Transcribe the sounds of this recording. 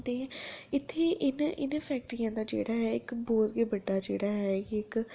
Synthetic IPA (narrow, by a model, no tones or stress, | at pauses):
d̪eːɛ̃ɪt̪ʰːeːʔɪnɪ̰npʰɛːk̚ʈɾijãːd̪aːd͡ʒḛːɽaːɦɛːɪkbɔːt̪ɡeːbəɖːaːd͡ʒḛːɽaːɦɛkɪk